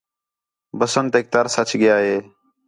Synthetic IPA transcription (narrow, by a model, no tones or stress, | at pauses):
bəsənt̪eːk̚t̪aːɾsət͡ʃɠɪjaːɦeː